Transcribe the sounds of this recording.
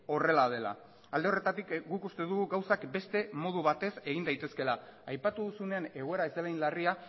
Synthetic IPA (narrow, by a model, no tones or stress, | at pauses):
o̞re̞lað̞e̞la̰ | ald̪eo̞re̞t̪at̪ikɡukust̪e̞ðuɣuɣawsakbe̞st̪e̞mo̞ð̞uβat̪e̞se̞ɣ̞ind̪ajt̪e̞ske̞laːjpat̪uðusune̞ane̞ɣ̞o̞e̞ɾaezd̪elajnlaria